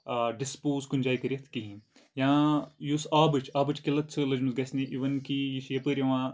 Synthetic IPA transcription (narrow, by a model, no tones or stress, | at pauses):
ɖispoːzkunʲd͡ʒaːikɐɾʲijɐt̪ʰkiɦĩ | jãːjusaːbɨt͡ʃʰaːbɨt͡ʃkilɐt̪t͡sʰɨlɐd͡ʒmɨzɡɐsniʔiʋɐnkijiʃjɐpəɾʲjɐʋãː